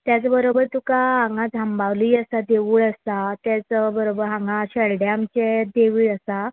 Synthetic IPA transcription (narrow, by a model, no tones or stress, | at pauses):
t̪jat͡sabəɾobəɾt̪ukaɦãŋɡãd͡zʱambaʋliiːəsad̪eʋuːɭəsat̪jat͡səbəɾobəɾɦãŋɡaɕəɭɽjaːmt͡ɕed̪eʋiːɭəsa